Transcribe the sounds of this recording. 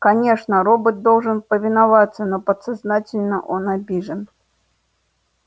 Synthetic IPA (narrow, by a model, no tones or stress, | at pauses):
kanʲɛʂnɐɾɔbɨt̪̚d̪ɔlˠʐɨnpəvʲɪnavat̪sːɐnɔpɐt̪saznat͡sʲɪlʲnɐʔɔnabʲiʐɨn